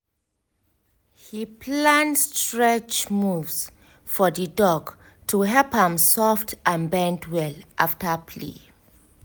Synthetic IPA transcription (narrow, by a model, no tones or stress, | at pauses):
hipʰlãndstɹɛt͡ʃmuvs | fɔðədɔɡ | tʰuɦɛlphãmsɔftʰãnbɛ̃ntwɛlʔaftəpʰlḭ